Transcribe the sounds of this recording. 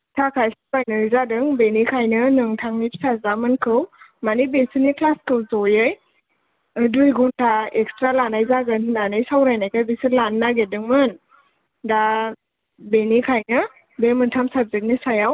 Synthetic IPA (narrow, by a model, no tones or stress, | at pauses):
tʰakʰajsabajnɯɾzadɯŋbenikʰajnɯnɯŋtʰaŋnitsʰazamɯnkʰɯwmanibesɯnikʰlaskɯwzɔjɯj | dujɡuntʰaekstɾalanajzaɡɯnnanajsawɾajnajkabesɯlanːaɡedɯŋmɯn | da | benikʰajnɯ | bemɯntʰamsab̚zek̚nisajaw